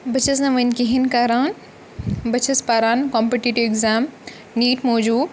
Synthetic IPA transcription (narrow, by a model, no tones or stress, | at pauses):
bɐt͡ʃʰɐs̬nɐʋɐnkiɦinkaːɾaːn | bɐt͡ʃʰɐspaːɾaːnkoːmpeʈiʈiʋɪkzaːm | niːʈmoːd͡ʒuː